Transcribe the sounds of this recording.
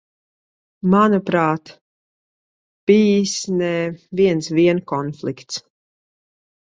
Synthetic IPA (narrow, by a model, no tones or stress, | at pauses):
manupɾaːt̪ | b̥iːsnɛviɛnsviɛnkɔnflˠikt̪s